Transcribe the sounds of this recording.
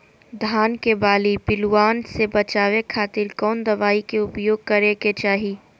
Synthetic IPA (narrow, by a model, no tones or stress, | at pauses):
d̪ʱaːnkebaːlipɪlwaːnsebɐt͡ʃaːʋekʰaːt̪ɪɾkɔːnd̪ɐʋaːikeʊpjoːɡ̚kɐɾeket͡ʃaːɦi